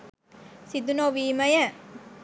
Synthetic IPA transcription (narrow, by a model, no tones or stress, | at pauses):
sid̪unoʋiːmɐjɐ